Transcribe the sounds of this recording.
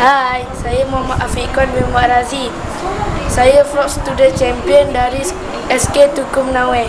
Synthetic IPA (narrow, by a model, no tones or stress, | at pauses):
hajsajəmɔmaʔafikɔnbimaʔɾazi | sajəflɔksə̥t̪udənt͡ʃɛmpiəndaɾi | ɛsket̪ukʊmnawɛ